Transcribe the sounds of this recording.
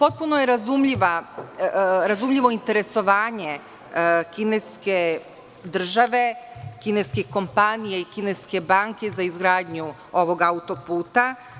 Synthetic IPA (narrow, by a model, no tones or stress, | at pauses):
po̞t̪̚punojeɾazumʎiʋa | ɾazumʎiʋo̞int̪eɾe̞so̞ʋaːɲe̞ | kineske̞ | d̪r̩ʒaʋe̞kineskiko̞mpanijaikine̞ske̞baːŋke̞zaizɡɾaːd̪ɲu | o̞ʋo̞ɡaut̪o̞puːt̪a